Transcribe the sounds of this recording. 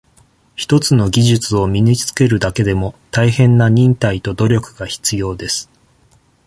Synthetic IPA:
çi̥t̪o̞t͡sɨno̞ɡʲiʑɨt͡sɨo̞mʲiɲ̟it͡sɨ̥ke̞ɾɯ̟d̪ake̞d̪e̞mo̞t̪aihẽ̞nːaɲ̟ĩnt̪ait̪o̞d̪o̞ɾʲo̞kɯ̟ɡaçi̥t͡sɨjo̞ːd̪e̞sɨ̥

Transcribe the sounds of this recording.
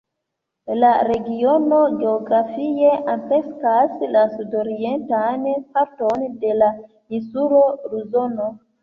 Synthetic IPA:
laɾe̞ɡiono̞ɡe̞oɡɾafie̞ʔanpe̞skaslasudo̞ɾientanpaɾto̞nde̞la | insulo̞ɾuzo̞no

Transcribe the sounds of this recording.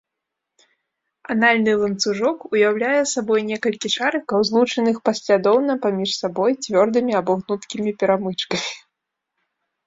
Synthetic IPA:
analʲnɨlˠɐnt̪suʐɔkujawlʲajɛsabɔjnʲɛkɐlʲkʲiʂaɾɨkɐwzlˠut͡ʂɐnɨxpasʲlʲad̪ɔwnɐpamʲiʂsabɔjt͡sʲvʲɔrd̪ɨmʲiabɔɣnut̪kʲimʲipʲɛɾamɨt͡ʂkɐmʲi

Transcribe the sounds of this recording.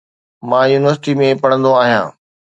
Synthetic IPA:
mãːjuːnɪʋəɾsɪʈimẽpɐɽə̃nd̪oaːɦijã̰ː

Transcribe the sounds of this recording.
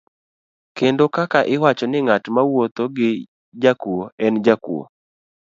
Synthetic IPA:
kendokakaʔɪwat͡ʃɔnɪŋatmawot̪oɡɪ | d͡ʒakuoɛnd͡ʒakṵo̰

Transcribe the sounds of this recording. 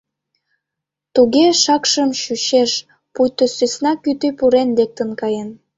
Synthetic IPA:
t̪uɣeʃɑkʃə̆mʃyɕeʃ | pujt̪osysnɑkyt̪ypuɾenlek̚t̪ə̆nkɑjen

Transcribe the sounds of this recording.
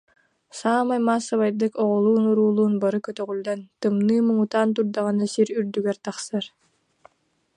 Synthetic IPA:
saːmajmaːsɯβajd̪ɯkɔʁɔlˠuːnuɾuːlˠuːnbaɾɯkœt̪œʁylʲd̪ɛnt̪ɯmnɯːmɯŋut̪aːnt̪̬uɾd̪aʁanasiɾyɾd̪yɡɛɾt̪aχsɯɾ

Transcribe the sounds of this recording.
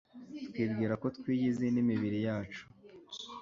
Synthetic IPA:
tkwiːbɡiːɾako̞tkwiːɟizenimiβiɾijaːt͡ʃu̥

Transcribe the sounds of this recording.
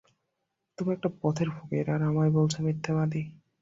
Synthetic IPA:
t̪omiɛk̚ʈapɔt̪ʰeɾbʱoɡeɾaɾamajbolt͡ɕʰamit̪ʰːabad̪i

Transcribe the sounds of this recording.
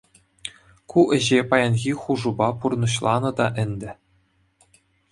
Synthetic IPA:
kuʔɘ̆ʑepɑjɑnɣʲiχuʐubɑpurnɤ̆ɕlˠɑnɤ̆d̪ɑʔɘ̆nʲd̪ʲɘ̆

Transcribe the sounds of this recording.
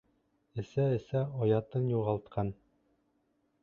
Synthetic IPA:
ɘ̆sæɘ̆sæɒjɑt̪ɤnjuʁɑlˠt̪̚qʰɑn

